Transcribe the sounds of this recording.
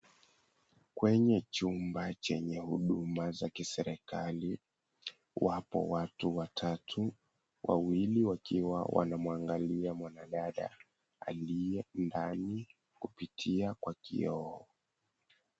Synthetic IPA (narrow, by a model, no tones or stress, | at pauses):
kwɛɲɛt͡ʃumbat͡ʃɛɲɛhuɗumazakisɛɾɛkali | wapɔ̰watuwatʰatʰu | wʔa̰wiliwakiwa̰wʔa̰namwaŋɡaliamwanaɗaɗa̰ | a̰liɛndani | kupitʰiakwakḭɔɔ